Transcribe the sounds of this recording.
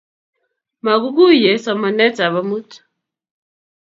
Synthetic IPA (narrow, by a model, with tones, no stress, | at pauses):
ma˨ku˦ku˦jɛ˨sɔ˨mɔ˨nɛ˦t͡sʼa˨βa˨mu˦tʰu̥˨